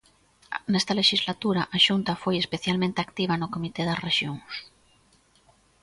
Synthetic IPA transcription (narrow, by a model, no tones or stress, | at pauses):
nest̪aleʃizlat̪uɾaʔaʃunt̪afojespeθjalmẽnt̪eakt̪iβ̞anokomit̪eðɐzreʃjoŋs